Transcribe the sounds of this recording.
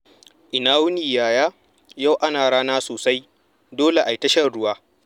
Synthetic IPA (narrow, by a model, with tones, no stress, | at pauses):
ʔɪ˨naː˦wʊ˦niː˨jaː˨jaː˦ | ja˦wʔa˦naː˨ɽaː˦naː˦soː˨sa˦j | doː˦le˨ʔa˨jtɐ˦ʃɐ˦˨rɽʊ˦waː˦